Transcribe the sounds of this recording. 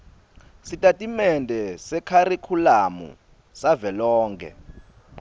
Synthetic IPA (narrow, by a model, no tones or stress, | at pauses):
sitʼatʼimɛndʱɛsɛkʰaɾikʰulamṵ | savɛlɔːŋkʰɛ̰